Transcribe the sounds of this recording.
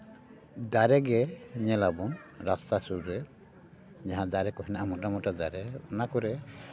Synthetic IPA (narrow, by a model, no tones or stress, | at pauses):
d̪aɾɛɡɛɲɛlabɔŋɾast̪asuɾuɾɛ | d͡ʒaɦãd̪aɾɛkɔɦinaʔamɔʈamɔʈad̪aɾɛɔnakɔɾɛ